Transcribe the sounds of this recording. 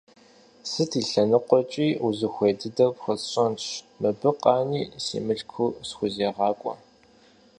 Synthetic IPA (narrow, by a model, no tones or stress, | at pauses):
sɨtʰiːɬɐnɨqʷɔt͡ʃʼiːuzɨxʷeːdɨdɐpxɐt͡sɕʼɐnt͡ʃʰ | mɨbɨqʼɑːniːsḭːmɨɬkʰuːsxʷʊzeːʁɑːkʷʼɔ̰